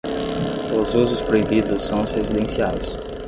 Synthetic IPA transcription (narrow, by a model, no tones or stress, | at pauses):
ʊzuzʊspɾoibid̪ʊsːɐ̃w̃shezid̪ẽsiajs